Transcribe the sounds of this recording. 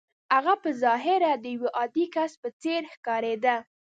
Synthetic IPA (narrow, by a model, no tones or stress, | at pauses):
aɣapəzɑɦɪɾad̪əjweʔɑd̪ikaspət͡seɾxkɑɾed̪a